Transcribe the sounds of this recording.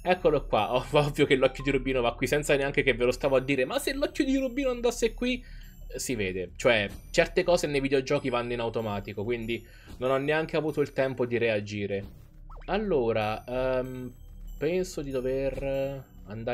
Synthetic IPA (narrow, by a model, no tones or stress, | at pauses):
ɛkːolokwa̰ʔɔɔvːjokelːɔkʲːjod̪iɾubiːnovakːwisɛnt̪saneaŋk̟ekevelost̪aːvoad̪ːiːɾemasːelːɔkʲːjod̪iɾubiːnoand̪asːekːwi | siveːd̪et͡ʃoɛt͡ʃɛrt̪ekɔːzenejvid̪eod͡ʒɔːkivanːoinawt̪omaːt̪ikokwind̪i | nonɔnːeaŋk̟eavuːt̪oilt̪ɛmpod̪iɾead͡ʒiːɾe | alːoːɾaɛm | pɛnsod̪id̪over | and̪a